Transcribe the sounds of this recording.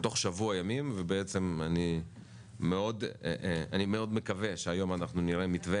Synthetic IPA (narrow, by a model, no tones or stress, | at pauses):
t̪o̞χʃavuajamimvebeet͡se̞maniː | eo̞d̪eʔa̰nime̞o̞d̪me̞kave̞ʃeajo̞manaχnuniʁemit̪ve